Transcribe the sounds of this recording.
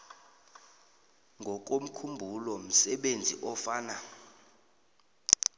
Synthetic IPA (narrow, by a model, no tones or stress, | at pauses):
ŋɡʱɔk̬om̩kʰumbʱulɔm̩sɛɓend͡zʱḭʔɔfaːna